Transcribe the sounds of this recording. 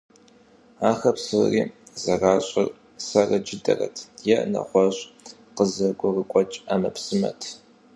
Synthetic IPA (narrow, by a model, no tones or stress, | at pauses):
aːxɐpsɨriːzɐraːɕʼɪr | sɐrɐd͡ʒɪdɐ̰rɐ̰tʰjɛʔnɐ̰χʷɔɕʼ | qəzɐɡʷʊrəkʷʼɔt͡ʃʼamɐpsɨmɐ̰tʰ